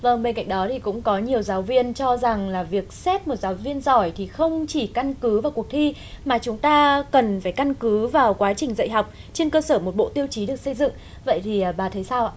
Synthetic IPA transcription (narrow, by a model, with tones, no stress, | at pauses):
və˧˩ŋɓe˧nka̰˧˨ŋ̟ɗɔ˨˦t̪ʰi˨˩kʊ̰˧˥ŋ͡mkɔ˨˦ɲi˨˩əwzaː˨˦wvi˧ənt͡ɕɔ˧za˨˩ŋlaː˨˩vi˨˩ək̚sɛ˦˥p̚mo˨˩t̚zaː˨˦wvi˧ənzɔ˧˩jt̪ʰi˨˩xə˧wŋ͡mt͡ɕi˧˩ka˧nkɨ˨˦vaː˨˩wkwək̚t̪ʰi˧ | maː˨˩t͡ɕʊ˨˦ŋ͡mt̪aː˧kə˨˩nfaː˧˩jka˧nkɨ˨˦vaː˨˩wkwaː˨˦t͡ɕï˨˩ŋ̟zə̰˧˨jɦa˨˩wk͡p̚ | t͡ɕe˧nkəː˧səː˧˩mo˨˩t̚ɓo̰˧˨t̪i˧əwt͡ɕi˨˦ɗɨ˨˩ək̚sə˧jzɨ̰˧˨ŋ | və̰˧˨jt̪ʰi˨˩˨ɓaː˨˩t̪ʰə˨˦jsaː˧wʔa̰ː˧˨